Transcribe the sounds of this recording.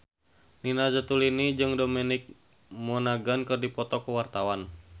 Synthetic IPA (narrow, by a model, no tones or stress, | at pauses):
ninazət̪ulinid͡ʒɨŋdomɛnɪk̚ | mɔnaɡankɨrdipɔt̪ɔkuwart̪awan